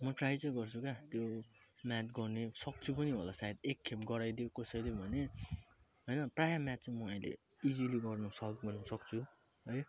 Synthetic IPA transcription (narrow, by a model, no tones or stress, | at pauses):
mʌʈrajt͡sʌj̃ɡʌrt͡sʰukat̪jomat̪ɡʌrnesʌk̚t͡sʰupʌniɦolasaed̪ekʰːemɡʌɾajd̪jokʌsʌjd̪jobʱʌne | ɦʌjnʌprajamat̪̚t͡sʌĩmʌaĩlḛ | id͡ziliɡʌrnʌsʌb̚ɡʌrnʌsʌk̚t͡sʰu | ɦʌj